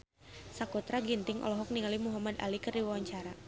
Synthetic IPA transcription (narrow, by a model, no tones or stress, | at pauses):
sakut̪ɾaɡint̪ɪŋʔɔ̰lɔɦɔk̚niŋalimuɦamad̪a̰likərdiwawaɲt͡ʃaɾa